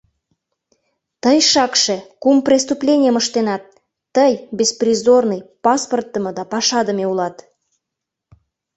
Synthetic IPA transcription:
t̪əjʃɑkʃe̽kumprʲest̪uplʲenʲijəməʃt̪enɑt̪ː | əjbʲesprʲizornəjpɑsport̪ːəmɤ̆d̪ɑpɑʃɑd̪əmeulɑt̪

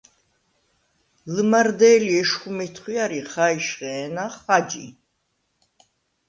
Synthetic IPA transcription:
ləmaɾd̪ɛːliɛʃχumɛt̪ʰχwiaɾiχaiʃχɛːnaχad͡ʒḭ

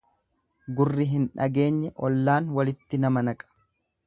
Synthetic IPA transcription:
ɡʊrːɪɦɪnᶑɐɡe̞ːɲːɛʔɔlːaːnwɐlɪt̪ːɪnɐmɐnɐkʼɐ̥

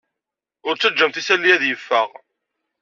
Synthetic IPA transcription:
ʊɾt͡sːæd͡ʒːəmθisælːijæðjəfːəʁ

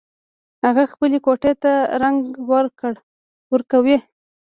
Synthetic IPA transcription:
haɣaxpəlekoʈet̪aɾaŋɡwəɾkəɽ | wəɾkawe

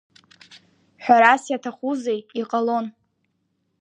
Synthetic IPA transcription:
ħʷᶣaɾasjatʰaχuzejiqʼalo̞n

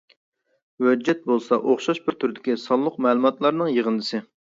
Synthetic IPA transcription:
wød͡ʒːɛt̪̚bolˠsɑʔoχʃɑʃbɪɾt̪ʰʊɾɪd̪ɪkʲisɑlˠːʊq̚mɛːlˠɨmɑt̪lˠɑɾnɨŋjəʁənd̪ɨsɪ

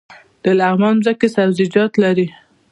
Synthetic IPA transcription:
d̪̥əlaɣmɑnzəkesawzɪd͡ʒɑt̪laɾi

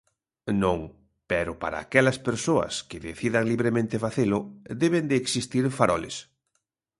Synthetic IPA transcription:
nõŋ | pɛɾʊpaɾa̰ːkɛlɐspeɾsoɐ̰skɪðeθiðɐŋliβɾemẽnt̪ɪfaθelʊd̪ɛβend̪ɪːksist̪iɾfaɾɔlḛs

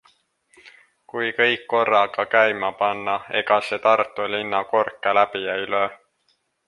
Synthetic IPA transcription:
kujkɤjkːo̞rːɑɡ̥ɑkæjmɑpɑnːɑe̞̰ɡ̥ɑse̞t̪ɑrt̪ːˑulinːɑko̞rkːˑelæb̥ijæyløː

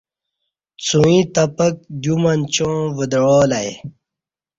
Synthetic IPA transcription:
t͡sũĩt̪ɐpɐk̚d̪jumɐnt͡ɕõːvəd̪ɻoːlɐj

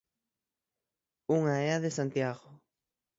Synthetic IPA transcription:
uŋaɛaðesant̪jaɣʊ

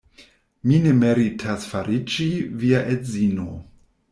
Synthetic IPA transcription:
minemeɾitʰasfaɾit͡ʃiviaʔetzino

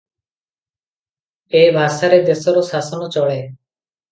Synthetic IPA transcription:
ebʱaʃaɾed̪esɔɾɔsasɔnɔt͡ʃɔɭe

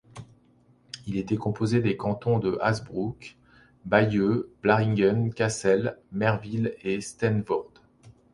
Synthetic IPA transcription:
ilet̪ɛkɔ̃pozed̪ekɑ̃t̪ɔ̃d̪əʔazbʁuk | bajøb̥laʁĩŋɡənkʲasɛlmɛʁvilest̪ɛnvɔʁd̪

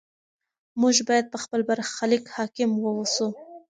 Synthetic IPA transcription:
mʊʒbɑjad̪̚pəxpəlbaɾxalikhɑkɪmwəwusu

